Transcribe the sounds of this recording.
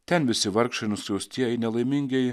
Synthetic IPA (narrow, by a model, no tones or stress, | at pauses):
t̪ʲɛnʋʲɪsʲɪʋɐɾkʃɐnʊsʲjoːst̪ʲiɛɪnʲɛlˠɐjmʲiŋʲɡʲɛj